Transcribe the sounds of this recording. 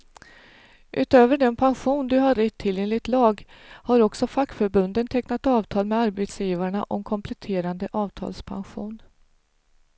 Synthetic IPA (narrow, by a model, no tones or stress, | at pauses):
ʔʉ̟̰ːt̪øːvəɖɛnpʰanɧuːnd̪ɵɦaɾːɛt̪ʰːɪlːjɛŋlɪt̪lɑːɡ | haɾɔksɔfakːfœɾbɵnd̪ənt̪ʰɛknat̪ɑːvt̪ʰɑːlmɛaɾbɛt̪sjiːvaɾəɳaʔɔmkʰɔmpʰlɛt̪ʰeːɾand̪əʔɑːvt̪ʰɑ̰ːlspʰa̰nɧṵːn